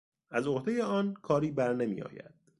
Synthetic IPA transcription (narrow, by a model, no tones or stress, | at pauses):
æzo̞hd̪e̞jeɒːnkʰɒːɾiːbæɾne̞mḭːɒ̰ːjæ̰d̪̥